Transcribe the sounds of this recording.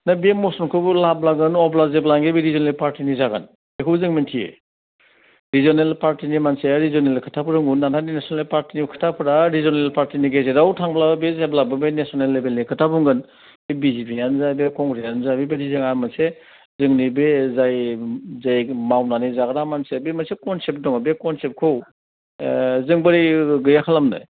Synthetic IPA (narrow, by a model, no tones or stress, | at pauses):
nabemɔsɔnkʰɯbulablaɡɯnɔblazeblaŋɡebeɾizɔnelpaɾtinizaɡa̰n | ekʰɯwzɯŋmintʰiḛ | ɾizɔnelpaɾtinimanseɾizɔnelkʰɯtʰapuɾɯŋɡunːantaninesɔelepaɾtinikʰɯ̥tʰapʰɯɾaɾizɔnelpaɾtiniɡezeɾawtʰaŋblabbezeblabɯbenesɔnelːebelnikʰɯtapuŋɡɯn | bebizipʰijanzabekɔŋɾijanzabebedizɯŋamase | zɯŋnibezajzajmawnanizaɡɾamansebemasekɔnsep̚dɔŋabekɔnsep̚kʰɯw | zɯŋbɯɾiɡɯjakʰalamnɯ̰